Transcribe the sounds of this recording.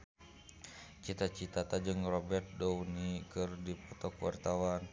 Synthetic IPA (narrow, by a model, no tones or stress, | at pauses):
t͡ʃit̪at͡ʃit̪at̪ad͡ʒɨŋrɔbɛrt̪̚dɔwnikɨrdipɔt̪ɔkwa̰rt̪awan